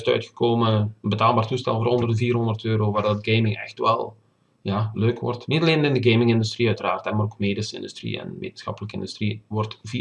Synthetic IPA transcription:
stœ̰ɥtxə̥kʰoːməənbətaːlˠbaːrtustɛ̰lˠvoːɾɔndərdəviːrɦɔndərtøːɾoːʋaːrdɔdɡejmɪŋɛ̰xtʋɛ̰lˠ | jaløːkʋɔ̰rtnitɑleːnɪndəɡemɪŋɪndystriœɥtəraːrtɛnmaːroːkmeːdəsɪ̰ndystrḭɛ̰nʋḛːtənsxɑ̰pələkəɪ̰ndystriʋɔrtvi

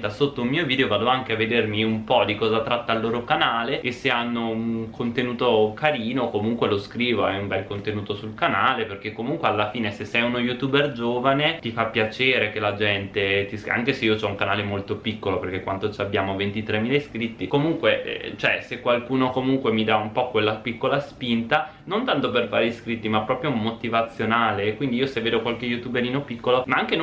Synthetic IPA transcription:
t̪asot̪ːoummiːoviːd̪eovaːd̪oaŋkeavːed̪ermiumpɔd̪ikɔːzat̪ɾat̪ːailːoːɾokanaːleeseanːouŋkʰont̪enuːt̪okaɾiːnokomuŋkweloskɾiːvoɛumbɛlkont̪enuːt̪osulkanaːleperk̟ekːomuŋkwealːafiːnesesːɛjunojut̪uːberd͡ʒoːvanet̪ifapːjat͡ʃeːɾekelad͡ʒɛnt̪et̪isa̰ŋkeseiot͡ʃɔuŋkanaːlemolt̪opikːoloperk̟ekwant̪ot͡ʃabjaːmovent̪it̪ɾemːiːleskɾit̪ːikomuŋkweʔt͡ʃoɛsekːwalkuːnokomuŋkwemid̪aumpɔkwelːapikːolaspint̪a | nont̪ant̪op̬ervaːɾiskɾit̪ːimapːɾɔːpɾjomot̪ivat̪sːjonaːleːkːwind̪iiːosevːeːd̪okwalkejut̪ubeɾiːnopikːolomaaŋk̟en

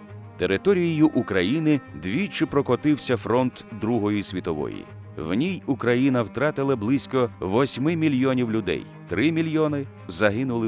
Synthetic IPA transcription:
t̪eɾɪt̪ɔɾʲijijʊʔukɾɐjinɪd̪ʋʲit͡ʃɪpɾɔkɔt̪ɪwsʲɐfɾɔnt̪d̪ɾuɦɔjʊsʲʋʲit̪ɔʋɔ̰jḭ | wnʲijukɾɐjinɐwt̪ɾɑt̪ɪlˠɐblˠɪsʲkɔʋɔsʲmɪmʲilʲjɔnʲiwlʲʊd̪ɛ̰j | t̪ɾɪmʲilʲjɔnɪ | zɐɦɪnʊlˠɪ

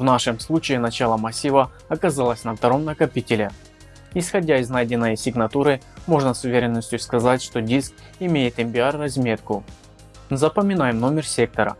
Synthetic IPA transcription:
vnaʂɨmslˠut͡ɕɪɪnɐt͡ɕalˠəmɐsʲivə | ɐkɐzalˠəsʲnɐft̪ɐɾo̞mnəkɐpʲitʲɪlʲɪ | ɪsxɐdʲaɪznajdʲɪnːəjsʲɪɡnɐt̪uɾɨ | mo̞ʐnəsʊvʲeɾʲɪnːəsʲtʲjʊskɐzatʲʂt̪o̞dʲisk̚ | ɪmʲejɪt̪ɪmʲpʲɪarːɐzʲmʲe̞t̪kʊ | zɐpəmʲɪnajɪmno̞mʲɪrsʲe̞k̚t̪əɾə̰

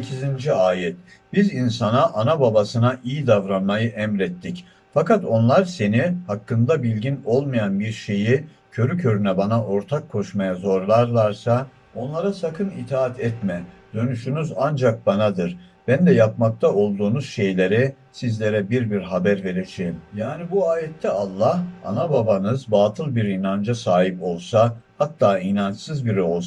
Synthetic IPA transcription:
ecʰizind͡ʒiaːjɛt̪̚ | b̥izinsanaʔanababasɯnaʔijid̪avɾanmajɯʔɛmɾɛt̪ʰːic | fakat̪o̞nlˠaɾse̞nihakʰːɯnd̪abilʲɟino̞lˠmajanbiɾʃe̞ji | cʰø̞ɾycʰø̞ɾynɛbanaʔo̞ɾt̪ʰakʰːo̞ʃmajazo̞ɾlˠaɾlˠaɾsa | o̞nlˠaɾasakʰɯnit̪ʰaːat̪ʰɛt̪mɛd̪ø̞nyʃynyzand͡ʒak̚banad̪ɯɾ | b̥ænd̪ɛjap̚mak̚t̪ʰao̞lˠd̪uːnuz̥ʃe̞jlʲe̞ɾɛ | sizlʲe̞ɾɛbiɾbiɾɦabæɾve̞ɾed͡ʒemjaːnibuaːjɛt̪ʰːɛalˠːaha̰nababanɯzbaːt̪ʰɯlˠbiɾinand͡ʒasaːɦipo̞lˠsahat̪ʰːaːinant͡ʃsɯzbiɾo̞lˠs

